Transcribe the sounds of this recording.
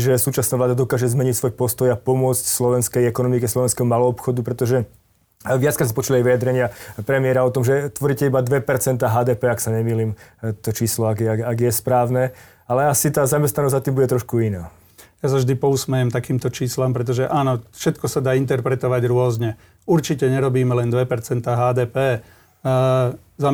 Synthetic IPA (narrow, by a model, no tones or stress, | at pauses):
ʒɛsuːt͡ʃasnaːʋlaːd̪ad̪ɔkaːʒɛzmɛɲicsʋɔjpɔst̪ɔjapɔmʊɔt͡scslɔʋɛnskɛjɛkɔnɔmikɛslɔʋɛnskɛɦɔmalɔːpxɔd̪upɾɛt̪ɔʒɛ | ʋɪat͡skɛsmɛpɔt͡ʃulajʋijad̪ɾɛɲɪapɾɛmɪɛɾaɔt̪ɔmʒɛt̪ʋɔɾiːcɛibad̪ʋɛpɛɾt͡sɛnt̪aːɦaːd̪ɛːpɛːaksaɲɛmiːliːmt̪ɔt͡ʃiːslɔaɡaaɡjɛspɾaːʊnɛ | alɛasit̪aːzamɛst̪nanɔzzat̪iːmbuɟɛt̪ɾɔʃkuinaː | jasavʒd̪ipɔusmɛjɛmt̪akiːmt̪ɔt͡ʃiːslampɾɛt̪̬ɔʒɛʔaːnɔfʃɛt̪kɔsad̪aːint̪ɛɾpɾɛt̪ɔʋaɟɾʊɔzɲɛ | uɾt͡ʃicɛɲɛɾɔbiːmɛlɛnd̪ʋɛpɛɾt͡sɛnt̪aːɦaːd̪ɛːpɛː | za